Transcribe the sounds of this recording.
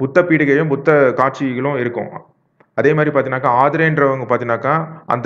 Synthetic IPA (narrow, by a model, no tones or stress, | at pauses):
pʊt̪ːɐpiːɽɯɣɐjʊ̃mpʊt̪ːɐkaːʈ̚t͡ʃiɣɐɭʊ̃ɪɾɯkːʊ̰̃ | ɐðeːmaːd̪ɾipaːɾt̪inaːkːaːaːðɪɾɐɛndɾɐʋɐŋɡɐpaːɾt̪inaːkːaːʔɐ̰nd̪